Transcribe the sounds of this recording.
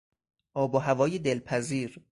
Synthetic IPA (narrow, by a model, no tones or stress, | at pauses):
ʔɒːboɦævɒːjed̪elpʰæziːɾ